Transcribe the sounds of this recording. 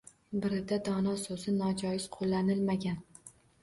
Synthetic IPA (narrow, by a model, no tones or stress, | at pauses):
bɪɾɪd̪ad̪ɒnɒsɵzɪnɒd͡ʒɒjɪz̥qʰolːanɪlmaɡʲan